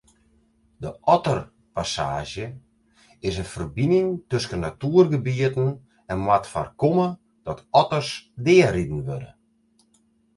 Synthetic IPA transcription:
dəʔɔtər | pasa̰ːʒjə | ɪsənfərbinɪŋtøskənːatuːərɡəbiətən̩ | ɛnwatfa̰rkomə | d̥ɔtɔtərsdɪəridn̩ʋødə̰

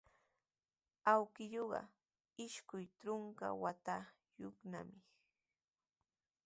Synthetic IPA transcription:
awkɪjoɢɑ̰ | ɪʃkʊjtɾoŋka̰wat̪a | joχna̰mɪ

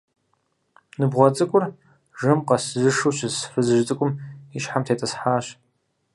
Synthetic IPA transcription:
nɨbʁʷɔt͡sʼɨkʷʼʊr | ʒɨmqɐszɨʂuɕɨsfɨzɨʒt͡sʼɨkʷʼʊmiʃħamtʰeːtʼɐsħaːɕ

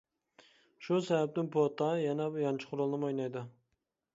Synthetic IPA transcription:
ʃusɛvɛp̚t̪ɪnpʰot̪ɑjɛnɛbjɑnt͡ʃʰɪ̥qʰʊɾolˠnɨmojnɑjd̪u

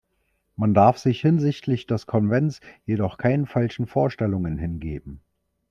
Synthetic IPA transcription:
mandaɐfz̥ɪçhɪnzɪçtʰlɪçd̥ɛskʰɔnvɛnsjedɔχkʰaɪnənfalʃn̩foːɐʃtɛlʊŋənɦɪnɡḛːbm̩

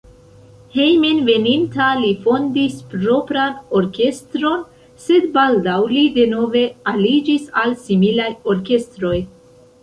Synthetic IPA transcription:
hejmenve̞nintalifo̞ndispɾo̞pɾano̞ɾke̞stɾo̞n | se̞dbaldawlide̞no̞ve̞alid͡ʒisalsimilajo̞ɾke̞stɾo̞j

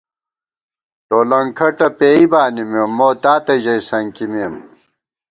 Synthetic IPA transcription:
ʈoːlɐŋkʰɐʈɐpeːibaːnimemːoːt̪aːt̪ɐʑɐjsɐŋkimiːm

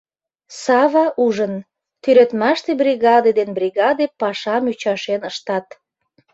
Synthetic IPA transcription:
sɑβɑʔuʒən | t̪øɾøt̪mɑʃt̪ebrʲiɣɑd̪ed̪enbriɣɑd̪epɑʃɑmyt͡ɕɑʃenəʃt̪ɑt̪

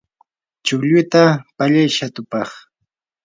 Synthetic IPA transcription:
t͡ʃʊʎʊt̪apaʎajʃat̪ʊpɑχ

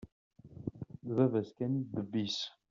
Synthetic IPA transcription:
ðvævæskænid̪əbːis

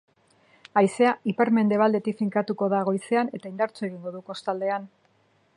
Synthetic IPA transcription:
ajse̞aipeɾme̞nd̪e̞β̞ald̪e̞t̪ifiŋkat̪uko̞ðaɣ̞o̞jse̞ane̞t̪aind̪aɾt͡sue̞ɣ̞iŋɡo̞ðuko̞st̪ald̪e̞an

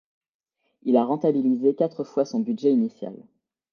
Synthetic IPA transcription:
ilaʁɑ̃t̪abilizekat̪χəfwasɔ̃bydʒɛinisja̰l

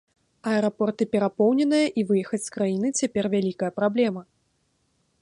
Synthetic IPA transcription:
ɐɛɾapɔrt̪ɨpʲɛɾapɔwnʲɛnɨjɐʔivɨjɛxɐt͡sʲskɾajinɨt͡sʲapʲɛrvʲalʲikɐjɐpɾablʲɛmɐ

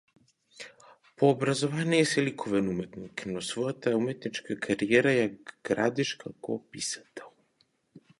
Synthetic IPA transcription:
pʰoːbɾazovanijɛsɛlikʰovɛnumɛt̪niknɔsvɔjat̪aumɛt̪nit͡ʃkakʰaɾijɛɾajaɡ̥ɾa̰d̪iʃkakɔpisḁt̪ɛlˠ

